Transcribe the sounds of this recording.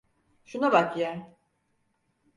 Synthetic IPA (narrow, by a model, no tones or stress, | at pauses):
ʃunabakja